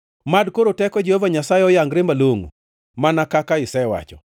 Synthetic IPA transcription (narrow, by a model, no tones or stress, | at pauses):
madkoɾotɛkɔd͡ʒehovaɲasaɛɔjaŋɡɾembaloŋo̰ | manakakaɪsɛwa̰t͡ʃɔ̰